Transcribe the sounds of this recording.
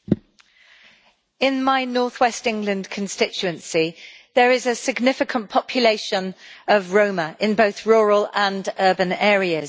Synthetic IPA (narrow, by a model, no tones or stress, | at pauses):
ɪ̃nmaɪnɔˑθwɛstɪ̃ŋɡlə̃ndkʰə̃nstɪt͡ʃʉə̃nsi | ðəɹɪzəsɪɡnɪfɪkʰə̃npʰɒpʰjəleɪʃə̃nəvɹə̃ʊməʔɪ̃nbəʊθɹɔːɹələ̃nɜːbə̃nɛːɹiəz̥